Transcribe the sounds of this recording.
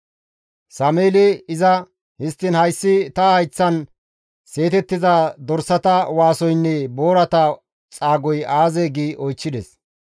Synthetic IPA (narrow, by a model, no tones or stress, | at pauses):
sɐmeːlɛɪzɐ | hɪst̪ːɪnhɐjsːɪt̪ɐɐjt͡sːɐn | se̞ːt̪ɛt̪ːɪzɐd̪ɔɾsɐt̪ɐwaːsɔjnːɛbo̞ːɾɐt̪ɐ | t͡sʼaːɡɔjaːzeːɡiːʔɔjt͡ʃːɪd̪ɛs